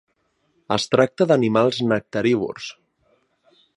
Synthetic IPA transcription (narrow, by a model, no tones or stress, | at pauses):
ə̰st̪ɾak̚t̪əðənimalˠznək̚t̪əɾiβṵrs